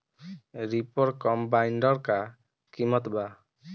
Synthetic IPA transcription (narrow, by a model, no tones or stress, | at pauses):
ɾipɔɾkɔmbajnɖɔɾka | kimɔt̪ba